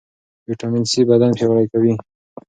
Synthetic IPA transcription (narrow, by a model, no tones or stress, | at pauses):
wiʈamɪnsibad̪anpewlajkawi